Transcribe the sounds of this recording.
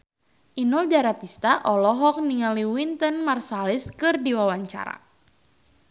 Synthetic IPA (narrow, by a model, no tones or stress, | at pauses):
ʔinɔld͡ʒaɾat̪ist̪aʔɔlɔɦɔk̚niŋaliwint̪ənmarsalɪskɨrdiwawaɲt͡ʃa̰ɾa̰